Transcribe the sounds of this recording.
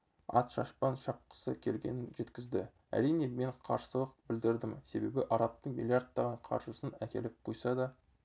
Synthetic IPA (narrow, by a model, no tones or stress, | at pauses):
ɑ̰t̪ʃɑʃpɑnʃɑp̚qə̥səkʲʰe̞lɡʲe̞̰nɪnʒe̞t̪kʲɪzd̪ɪ | æ̰ɾijne̞me̞ɴqʰɑ̰ɾsəlˠəq̚bɪld̪ɪɾd̪ɪmse̞be̞bɪʔɑɾɑp̚t̪əɴmḭlʲˠijard̪ːɑʁɑɴqʰɑ̰ɾʒəsənækʲʰe̞lɪp̚qʰojsɑd̪ɑ